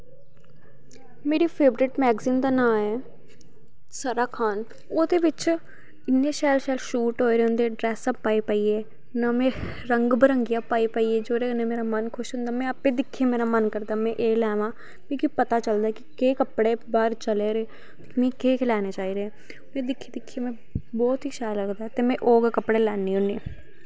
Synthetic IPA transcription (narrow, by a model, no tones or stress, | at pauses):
meːɾiːpʰeːbɾɪʈmɛːɡziːmd̪aːnãːɛː | saɾaːkʰaːn | oːd̪eːʋɪt͡ʃ | ɪnːeːʃɛːlʃɛːlʃuːʈɦoːeːɾeõːnd̪eːɖɾɛːsabpːaːipaːieː | naːmɛ̃ː | ɾəŋɡbəɾəŋɡɪjaːpaːipaːieːd͡ʒoːɾeːnẽːmeːɾaːmənkʰʊʃɦʊ̃nd̪aːmɛ̃ːəpẽːd̪ɪkʰːiemeːɾaːmənkəɾd̪aːmɛ̃ːʔeːlɛːʋãː | kĩːkipət̪aːt͡ʃəld̪aɛkɪkeːkəpɽeːbaːɾt͡ʃəleːɾeː | kmɛ̃ːkeːkʰɪlaːneːt͡ʃaːiɾeɛ̃ː | mẽːd̪ɪkʰːed̪ɪkʰːeːmɛ̃ː | bɔːt̪ɦiːʃaːjləɡd̪aɛt̪eːmɛ̃ːʔoːɡkəpɽeːlɛːnːiːɦʊneeː